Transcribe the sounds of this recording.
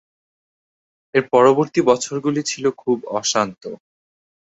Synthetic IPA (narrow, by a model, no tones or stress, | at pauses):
eɾpɔɾoboɾt̪ibɔt͡ɕʰoɾɡulit͡ɕʰilokʰubɔʃant̪o